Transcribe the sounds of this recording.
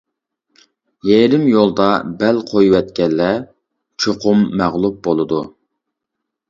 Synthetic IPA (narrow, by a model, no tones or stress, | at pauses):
jɛɾɪmjolˠd̪ɑbɛlqʰojuwɛt̪̚kʲɛlːɛ | t͡ʃʰoqʰʊmːæʁlˠup̚bolˠɨd̪u